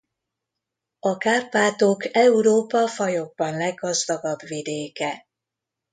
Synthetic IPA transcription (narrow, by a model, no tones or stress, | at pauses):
ɒkaːrpaːt̪okɛuɾoːpɒfɒjo̞ɡ̚bɒnlɛɡːɒzd̪ɒɡɒbʋid̪eːkɛ